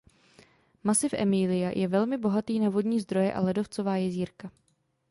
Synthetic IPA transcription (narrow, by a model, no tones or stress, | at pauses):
masɪfʔɛ̰miːlɪjajʔɛvɛlmɪbo̞ɦat̪iːnaːvo̞dɲiːzd̪ɾo̞jɛʔa̰lɛdo̞ft͡sovaːjɛziːɾka